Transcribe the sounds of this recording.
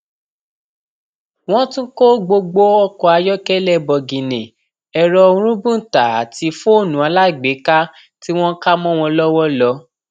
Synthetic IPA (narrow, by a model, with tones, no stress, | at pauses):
w̃ɔ̃˦tũ˦ko˦ɡ͡bo˧ɡ͡bo˦ɔ˦kɔ˧a˧jɔ˦kɛ˦lɛ˦˨bɔ˨ɡĩ˨nẽ˨ | ɛ˨ɾɔ˧˦ɾ̃ũ˦bũ˦n̩˨ta˨a˨ti˧˦fo˦˨nũ˨˦a˧la˦i˦˨ɡ͡be˨˦ka˦ | ti˦w̃ɔ̃˦ka˦mɔ̃˦w̃ɔ̃˧lɔ˦wɔ˦lɔ˨˦